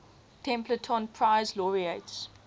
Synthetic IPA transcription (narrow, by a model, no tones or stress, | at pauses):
tʰɛ̃mplətʰɔ̃npʰɹaɪzlɔɹiets